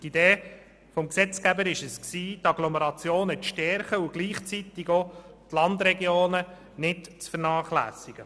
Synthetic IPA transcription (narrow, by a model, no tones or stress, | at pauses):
tid̥eː | fɔmksɛt͡skæbəɾɪʃəsksiːtɑɡ̥lɔmɛɾɑt͡sjoːnətʃtɛɾχəʊɡ̥liːχt͡sit̪iɡot̪lɑnd̪ɾɛɡjoːnə | nɪtt͡sfərnɑːχlæ̰ːsiɡ̥ə